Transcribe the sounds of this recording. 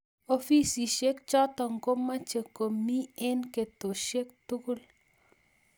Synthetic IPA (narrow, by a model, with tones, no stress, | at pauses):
o˦fi˦si˨ʃe˦kt͡ʃɔ˦t̪ɔ˨ŋɡo˦ma˦t͡ʃe˨ko˨mi˦ɛ˦nke˨t̪o˨ʃe˦k̚t̪u˦ku˦l